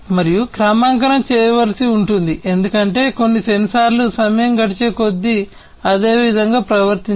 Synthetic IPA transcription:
mɐɾijukɾaːmaːŋkɐɾɐmt͡ʃɛːjɐʋɐlɐsiuɳʈund̪iʔe̞nd̪ukɐɳʈe̞ːko̞nːisensaːɾlusɐmɐjɐmɡɐɽit͡ʃeːko̞d̪ːi | ɐd̪e̞ːʋid̪ʱɐŋɡaːpɾɐʋɐɾt̪i

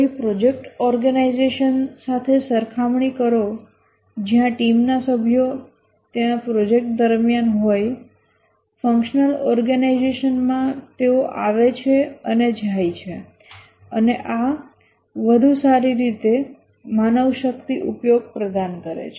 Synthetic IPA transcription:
ipɾod͡ʒek̚ʈɔɾɡənaizeʃənsat̪ʰesəɾkʰamɳikəɾo | d͡ʒjãʈimnasəbʱjo | t̪enapɾod͡ʒek̚ʈ̚d̪əɾmjanɦoj | fə̃ŋkʃnəlɔɾɡənaizeʃənmãt̪eoʔaʋet͡ʃʰeəned͡ʒʱajt͡ʃʰe | əneʔa | ʋəd̪ʱusaɾiɾit̪e | manəʋʃəkt̪iʔupjoɡ̚pɾəd̪ankəɾḛt͡ʃʰe

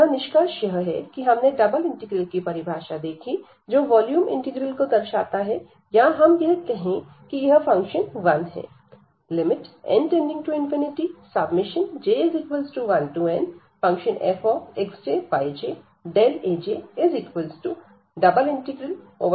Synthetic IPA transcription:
anɪʃkaːʃjɐɦɦɛ̰kiɦɐmneɖɐbəlɪ̃ɳʈɪɡɾəlkipɐɾɪbʱaːʃad̪eːkʰi | d͡ʒoːʋɔːljuːmɪ̰̃ɳʈɪɡɾəlkod̪ɐɾʃa̰ːt̪aɦɛ | jaɦɐmkɛɦt̪eɦẽ | kijɐɦfɐ̃ŋkʃənʋɐ̃nɦɛ̰ː | lɪmɪʈɛ̰̃ɳʈẽːɳɖɪ̃ŋɡʈuɪ̃nfɪnɪʈisɐbmɪʃənd͡ʒeːezɪkʋəlsʈuʋɐnʈuɛ̃n | fɐ̃ŋkʃənḛfɔːeksd͡ʒeːpad͡ʒeː | ɖeːleːd͡ʒeːezɪkʋəlsʈu | ɖɐbəlɪ̃ɳʈɪɡɾəl | oːʋ

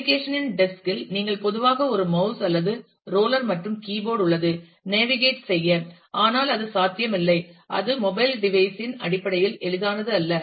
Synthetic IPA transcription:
ɪkeːʂɐnɪnɖɛskɪlniːŋɡɐɭpɔðɯʋaːɣɐɔɾɯmɐʊsɐlːɐðɯ | ɾoːlɐɾmɐʈrɯmkiːboːɽʊɭːɐðɯ | neːʋɪɣeːʈsɛjːɐ | aːnaːlɐðɯsaːt̪ːɪjɐmɪlːɐɪʔɐ̰ðɯmɔbɐɪlɖɪʋɐɪsɪnɐ̰ɽɪpːɐɽɐjɪlɛɻɯðaːnɐðɯɐlːɐ

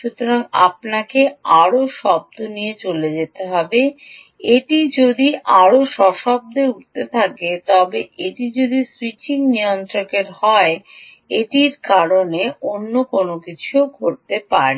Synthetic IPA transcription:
ʃut̪oɾaŋa̰pnakeaɾoʃɔb̚d̪onijet͡ɕoled͡ʑet̪eɦɔbe | eʈid͡ʑod̪iʔaɾoʃɔʃɔb̚d̪euʈt̪et̪ʰaket̪ɔbeʔeʈid͡ʑod̪iswit͡ɕiŋniont̪ɾokeɾɦɔe | eʈiɾkaɾoneonːokonokit͡ɕʰuoɡʱoɾt̪epaɾe

